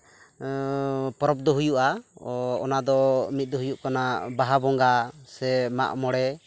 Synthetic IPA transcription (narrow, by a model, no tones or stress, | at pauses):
pɔɾɔp̚d̪ɔɦujuʔa | ɔ̰nad̪ɔmit̪̚ˀd̪ɔɦujuʔkanabaɦabɔŋɡasɛma̰ʔmɔɽɛ